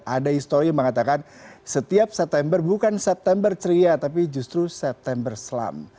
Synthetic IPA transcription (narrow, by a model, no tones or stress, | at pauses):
ʔadaist̪oɾijaŋməŋat̪akansət̪iap̚sɛp̚t̪ɛmbərbukansɛp̚t̪ɛmbərt͡ʃəɾiat̪ap̬id͡ʒust̪ɾusɛp̚t̪ɛmbərsəla̰m